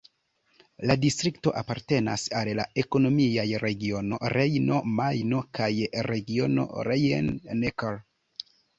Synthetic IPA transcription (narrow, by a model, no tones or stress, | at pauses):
ladistɾikto̞ʔapaɾte̞na̰sallae̞ko̞no̞miajɾe̞ɡio̞no̞̰ɾe̞jno̞majno̞kajɾe̞ɡio̞no̞̰ɾejenːekaɾ